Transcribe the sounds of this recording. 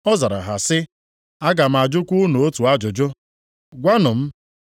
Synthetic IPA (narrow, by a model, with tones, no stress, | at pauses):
ɔ˦za˨ɾa̰˨ɦa˨sɪ˦ | a˦ɡa˨m̩˨a˨d͡ʒʊ˦kʷu˦nu˨o˦tu˨a˦d͡ʒʊ˨d͡ʒʊ˦ | ɡʷa˦nʊ˨m̩˦